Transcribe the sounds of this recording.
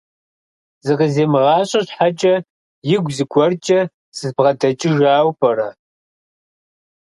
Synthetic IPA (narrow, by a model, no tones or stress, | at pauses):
zɨqəzeːmɨʁɑːɕʼɐɕħat͡ʃʼɐ | jɪɡʷzɨɡʷʰɔrt͡ʃʼɐ | sɨzbʁɐdɐt͡ʃʼɪʒaːwpʰʼɐrɐ̰